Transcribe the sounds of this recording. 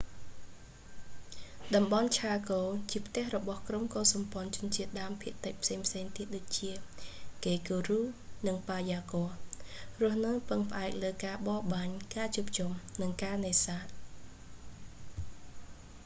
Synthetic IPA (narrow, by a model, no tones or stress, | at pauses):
ɗɑmɓɑnt͡ɕʰaːkoːt͡ɕiəpʰt̪ɛ̆əhrɔɓɑhkromkoːsɑmpŏənt͡ɕʊ̆ənt͡ɕiət̪̚ɗaəmpʰiəʔt̪ɨc̚pʰseːŋpʰseːŋt̪iət̪̚ɗoːc̚t͡ɕiəkeːkoːruːnɨŋpaːjaːkoərʊ̆əhnɨwpɨŋpə̆ʔaɛk̚ləːkaːɓɑːɓaːɲkaːt͡ɕuəp̚t͡ɕumnɨŋkaːneːsaːt̪̚